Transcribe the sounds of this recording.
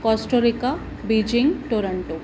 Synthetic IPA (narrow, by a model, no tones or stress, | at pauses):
kɔsʈoɾika | bid͡ʒiŋɡʈoɾɐɳʈu